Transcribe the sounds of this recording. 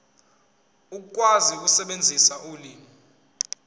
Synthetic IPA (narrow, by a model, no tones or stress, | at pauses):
uk̬uk̬ʼwazik̬usɛɓend͡zʱisaʔuliːŋi